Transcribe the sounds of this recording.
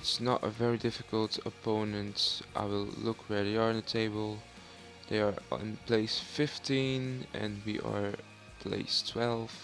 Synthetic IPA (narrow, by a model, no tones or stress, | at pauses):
ɪtsnə̰ɾə̰vɛɹidɪfɨkəlˠtəpʰõʊ̃nɨ̃ntʔa̰ɪwɪlˠlʊkʰɹɛɾiə˞ɨ̃nðɨtʰeɪbəlˠ | ðeɪə˞ɪ̰̃npʰl̥eɪsfɪftʰĩnɨ̰̃nwiʔə̰˞ | pʰl̥ḛɪstʰw̥ɛlˠv̥